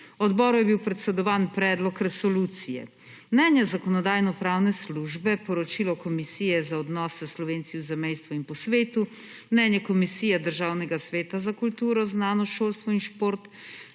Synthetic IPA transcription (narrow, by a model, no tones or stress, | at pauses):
ɔd̪bɔːɾujɛbiwpɾɛt̪sɛd̪ɔʋaːnpɾɛːd̪lɔkɾɛsɔluːt̪sijɛ̰ | mnɛːnjazakɔnɔd̪aːjnɔpɾawnɛsluʒbɛpɔɾɔt͡ʃiːlɔkɔmisiːjɛzaɔd̪nɔːsɛslɔʋeːnt̪siwzɛmɛjst̪ʋɔinpɔsʋeːt̪u | mnɛːnjɛkɔmisiːjɛd̪əɾʒaːwnɛɡasʋeːt̪azakult̪uːɾɔznaːnɔʃoːlst̪ʋɔinʃpoːɾt̪